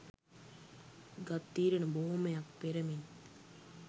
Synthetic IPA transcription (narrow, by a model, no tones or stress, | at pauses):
ɡɐt̪ːiːɾɐnɐboɦumɐjɐk̚peɾɐmin